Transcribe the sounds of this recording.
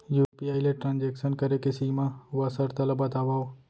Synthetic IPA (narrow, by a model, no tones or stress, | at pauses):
juːɾpijaːileʈɾãːnd͡ʒekʃənkɐɾekesimãʋasəɾt̪ɐlɐbɐt̪aːʋaːo